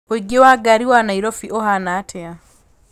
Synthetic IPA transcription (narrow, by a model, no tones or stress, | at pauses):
oiɡewaɡaɾiwanaiɾɔfiʔɔɦanaːtʰɛa